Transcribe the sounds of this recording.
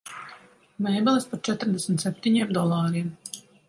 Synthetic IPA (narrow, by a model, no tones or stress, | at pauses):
mɛjbɛlˠispaɾt͡ʃɛt̪ɾd̪ɛsmʲt̪sɛp̚ʲt̪iɲiɛmd̪ɔlˠɑːɾiɛm